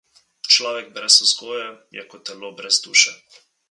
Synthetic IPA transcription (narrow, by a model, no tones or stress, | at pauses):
t͡ʃlaːʋɛɡ̚bɾɛsuskojɛ | ja̰kɔt̪ɛlɔbɾɛzd̪uːʃɛ